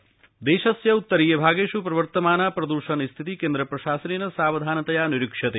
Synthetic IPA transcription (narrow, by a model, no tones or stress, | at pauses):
d̪eːʃɐsjɐut̪ːɐɾiːjɐbʱaːɡeːʃupɾɐʋɐɾt̪ɐmaːnaːpɾɐd̪uɾʃɐnist̪ʰit̪ikeːnd̪ɾɐpɾɐʃaːsɐninɐsaːʋɐd̪ʱaːnɐt̪ɐjaːniɾikʂɐt̪eː